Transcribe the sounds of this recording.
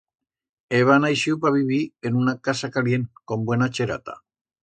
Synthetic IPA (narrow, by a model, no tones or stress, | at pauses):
eβanajʃiupaβiβienunakasakaljenkombwenat͡ʃeɾa̰t̪a̰